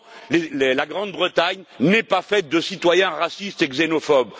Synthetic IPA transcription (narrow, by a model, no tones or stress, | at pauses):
lellaɡʁɑ̃d̪̚bʁət̪aɲnɛpafɛt̪̚d̪əsit̪wajɛ̃ʁasist̪eɡzenɔfɔb